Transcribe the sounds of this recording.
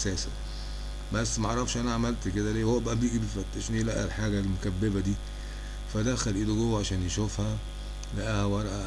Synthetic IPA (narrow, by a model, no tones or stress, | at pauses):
sæːsæ | bæsːmaʕɑɾˤɑfʃʔænæʕamælt̪ked̪æleːhowːæbæʔæbjiːɡibefæt̪ːæʃnilæʔælħaːɡælmokæbːebæd̪iː | fæd̪æxælʔiːdoɡowːʕaʃæːnjeʃofhæ | læʔæhæwɑɾˤʔæ